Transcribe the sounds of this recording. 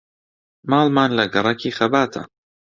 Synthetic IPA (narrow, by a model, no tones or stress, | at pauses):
mɑːlmaːnlɐɡɐɾˤɐkʰiːxɐbaːt̪ʰɐ̰